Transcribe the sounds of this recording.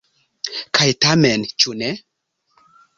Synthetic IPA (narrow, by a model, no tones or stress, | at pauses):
kʰajt̪amɛnt͡ʃunɛ